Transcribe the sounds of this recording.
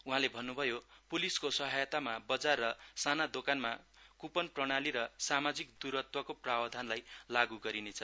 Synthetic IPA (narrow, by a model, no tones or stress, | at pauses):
uɦãlebʱʌnːubʱʌjopuliskosʌɦajt̪amabʌd͡zarːʌsanad̪okanmakupʌnprʌɽ̃aliɾʌsamad͡zikd̪uɾʌt̪wʌkoprawd̪ʱanlajlaɡuɡʌɾinet͡sʰʌ